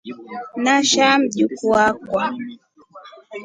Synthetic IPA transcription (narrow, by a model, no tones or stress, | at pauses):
naʃam̩ʄukuakwa